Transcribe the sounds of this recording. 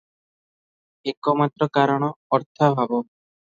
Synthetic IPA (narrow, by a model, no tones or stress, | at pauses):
ekɔmat̪ɾɔkaɾɔɽ̃ɔɔɾt̪ʰabʱabɔ